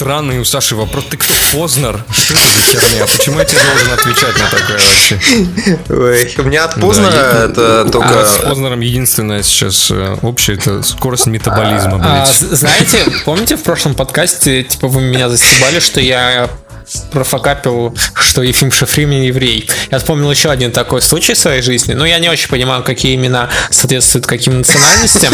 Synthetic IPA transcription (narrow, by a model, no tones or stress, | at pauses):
st̪ɾanːɨjʊsaʂɨvɐpɾost̪ɨkt̪opo̞znɐrʂt̪oɛt̪əzɐkʲat̪mʲɪnʲapət͡ɕɪmuɛtʲad̪olˠʐɨnəɐt̪vʲɪt͡ɕæt̚ʲnət̪ɐkajəvɐpɕe | ojʊmʲɪnʲaɐt̪poznəɾəɛt̪ət̪okəpoznəɾəmjɪdʲinst̪vʲɪnːəjəsʲɪ̥t͡ɕa̰sopɕɪjəɛt̪ə̰sko̞ɾəsʲtʲmʲɪt̪əbɐlʲizməbaznajɪtʲɪpo̞mnʲɪtʲɪfpɾo̞ʂlˠəmpɐt̪kasʲtʲɪtʲi̥pəvɨmʲɪnʲazəsʲt̪ʲɪbalʲɪʂt̪o̞ja | pɾəfɐkapʲɪlˠʂt̪o̞jɪfʲimʂɨfɾʲimnʲɪjɪvɾʲejjafspo̞mnʲɪlˠjɪɕːo̞ɐdʲint̪ɐko̞jslˠut͡ɕɪjsvɐjejʐɨzʲnʲɪnojanʲɪo̞t͡ɕɪnʲpənʲɪmajʊkɐkʲijəɪmʲɪnasɐːt̪vʲe̞t̪st̪vʊjʊt̪kɐkʲimnət̪sɨɐnalʲnəsʲtʲɪm